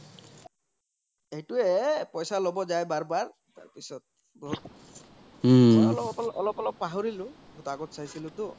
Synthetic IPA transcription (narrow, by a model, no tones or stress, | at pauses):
ejtʊɛpɔjsalɔbɔzajbaɹbaɹ | ta̰ɹpisɔt̚ | bɔɦt̚ | lɔbɔpɔlɔlɔpɔlɔpːaɦɔɹilʊ̃ | ɡʱɔtaɡɔtsajsilʊtʊ